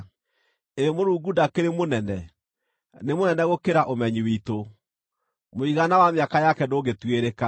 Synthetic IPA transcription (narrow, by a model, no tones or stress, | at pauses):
eɾemoɾuːɡudakeɾemonɛnɛ | nemonɛnɛɣokeɾaʔomɛɲiwito | moiɣanawameakajakɛdoːɣetweɾeka